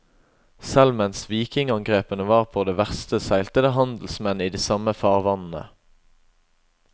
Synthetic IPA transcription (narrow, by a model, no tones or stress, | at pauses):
sɛlmɛnsʋiːkɪŋɑŋɡʁeːpənəʋɑːʁpʰoːd̪eːʋæʁst̪əsæɪlt̪əd̪əɦɑnd̪l̩smɛniːd̪iːsɑməfɑːʁʋɑnn̩ə̰